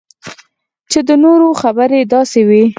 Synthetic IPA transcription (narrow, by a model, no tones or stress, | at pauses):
t͡ʃed̪ənoɾoxabəɾed̪ɑsewi